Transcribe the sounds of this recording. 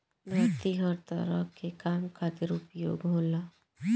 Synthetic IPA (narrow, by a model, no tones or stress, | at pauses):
bət̪iɦəɾt̪ə̰ɾəkːekaːmkʰaːt̪ɪɾʊpjo̰ːɡɦoːlaː